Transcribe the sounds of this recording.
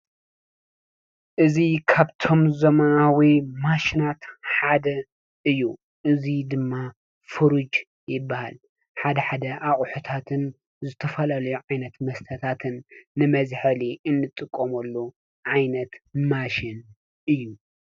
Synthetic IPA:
ʔɨzikʰabt̪ʰo̞mzɐmɐnawimaʃinat̪ħad̪ɐ | ʔɨjːu | ʔɨzid̪ɨmːa | fɨɾud͡ʒ | jɪbːahal | ħad̪ɐħad̪ɐʔaχʼħut̪ʰat̪ʰɨn | zɨt̪ʰɐfɐlalɐjuʕajnɐt̪mɐst̪ʰɐt̪ʰat̪ʰɨnːɨmɐzħɐliʔɨnːɨt̪ʼɨkʼːomɐlːu | ʕajnɐt̪maʃɪn | ʔɨjːu

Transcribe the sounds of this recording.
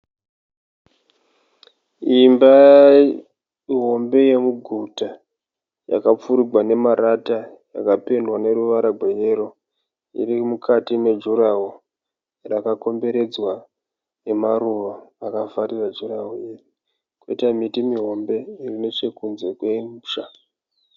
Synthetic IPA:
imba | iɦo̞mbe̞je̞muɡʱuta | ja̰kap͡fuɾiɡʱwane̞maɾata | jakapendwane̞ruʋaɾaɡʱweje̞ɾo | ḭrimukʰatime̞d͡ʒuɾaɦu | rakako̞mbe̞ɾe̞d͡zwa | nemaɾuʋaːkafarirad͡ʒuraɦuje | kweitamitimiɦo̞mbe̞irine̞t͡ʃe̞kunze̞kweimʂa

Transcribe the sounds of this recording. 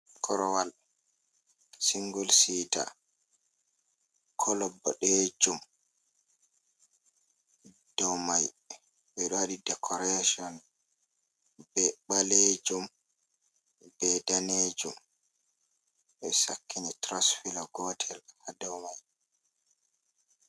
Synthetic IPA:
kʰɔɾɔwal | siŋɡulsiːta̰ | kʰɔlɔbːɔɗed͡ʒum | d̥ɔwmaj | ɓɛɗɔwaɗidɛkʰɔɾeʃɔn | bɛɓaled͡ʒum | bɛdaned͡ʒum | ɓɛsa̰kʰːinitɾasfilaɡɔtʰɛlhadɔwmaj

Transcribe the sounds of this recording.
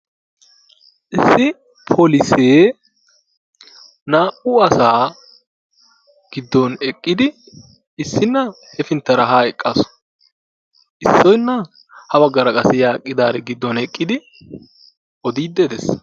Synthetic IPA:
ʔɪsːɪ | pʰolɪseː | naːʔʊɐsaː | ɡ̥ɪd̪ːɔnɛkʼːɪd̪ɪ | ɪsːɪnːɐ | hɛfɪnt̪ːɐɾɐɦaːɛkʼːɐsɔ̥ | ʔɪsːɔjnːɐ | hɐbɐɡːɐɾɐkʼɐsɪjaːkʼːɪd̪aːɾɛɡɪd̪ːɔnɛkʼːɪd̪ɪ | ʔɔd̪iːd̪ːɛd̪ɛs

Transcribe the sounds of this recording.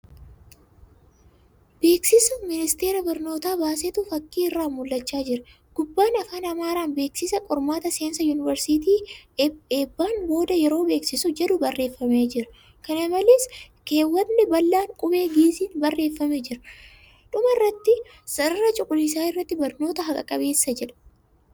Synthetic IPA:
b̥e̞ːksɪsʊmɪnɪst̪e̞ːɾɐbɐɾno̞ːt̪aːbaːseːt̪ʊfɐkːiːɪrːaːmʊlːɐt͡ʃːaːd͡ʒɪɾɐ | ɡ̥ʊbːaːnɐfaːnɐmaːɾaːnbe̞ːksɪsɐkʼɔɾmaːt̪ɐseːnsɐjuːnɪvɐɾsit̪̬iː | eːbːaːnbo̞ːd̪ɐjɛɾo̞ːbe̞ːksɪsʊd͡ʒɛᶑʊbɐrːe̞ːfːɐmeːd͡ʒɪɾɐ̥ | kɐnɐmɐleːs | ke̞ːwːɐt̪nɛbɐlːaːŋkʼʊbe̞ːɡiːsiːnbɐrːe̞ːfːɐmeːd͡ʒɪɾɐ | ᶑʊmɐrːɐt̪ːɪ | sɐɾɐɾɐt͡ʃʼʊkʼʊlɪs̬aːɪrːɐt̪ːɪbɐɾno̞ːt̪ɐɦɐkʼɐ̰kʼɐbe̞ːsːɐd͡ʒɛᶑɐ̥

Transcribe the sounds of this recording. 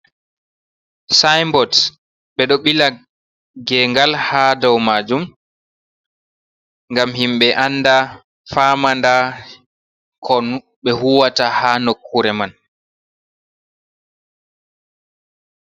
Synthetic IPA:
sajmbɔt | ɓɛɗɔɓila | ɡɛŋɡalhadɔwmad͡ʒum | ŋɡamhimɓɛʔanːda | famanda | kʰɔn | ɓɛhuwatahanokʰːuɾɛman

